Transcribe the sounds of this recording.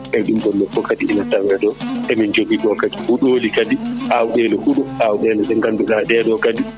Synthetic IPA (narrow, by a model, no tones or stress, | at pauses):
ʔɛɗumbɔnːɛkːɔkadiːnatawɛdɔʔɛmind͡ʒoɡiɗɔkadihuɗolikadiʔawuɗɛlɔhuɗɔʔawɗɛːlɛsɛŋɡanduɡadɛːdɔkadi